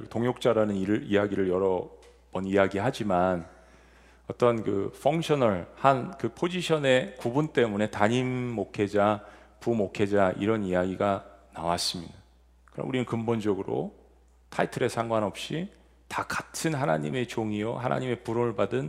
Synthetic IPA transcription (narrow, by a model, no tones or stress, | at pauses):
toŋjok̚t͡ɕ͈aɾanɯniijaɡiɾɯɭjʌɾʌ | bʌnijaɡiɦad͡ʑiman | ʌt͈ʌnkɯfʰʌŋɕʰʌnʌɭhankɯpʰod͡ʑiɕʰʌne̞kubunt͈e̞mune̞taɲimːokʰe̞d͡ʑa | pumokʰe̞d͡ʑaʔḭɾʌnijaɡiɡanawas͈ɯmɲida | kɯɾʌ̰muɾinɯnkɯmbond͡ʑʌɡɯɾo̰ | tʰaitʰɯɾe̞sʰaŋɡwanʌp̚ɕ͈i | takḁtʰɯnɦana̰ɲime̞t͡ɕoŋijohana̰ɲime̞puɾonɯɭpadɯn